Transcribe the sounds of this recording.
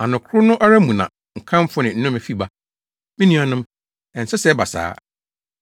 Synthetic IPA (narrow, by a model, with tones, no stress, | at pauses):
a˨nʊ̃˨kʰʊ˦ɾʊ˦nʊ̃˦ʔa˦ɾa˦mũ˨nã̰˨ | ŋ̩˨kʰã˦m˦fʊ˦nɪ̃˨n̩˦nʊ̃˦mæ˨fi˦ba˦ | mɪ̃˦nĩ˦a˨nʊ̃˦m | ɛ̃˨n̩˨sɛ˦sɛ˦ba˨sa̰ː˦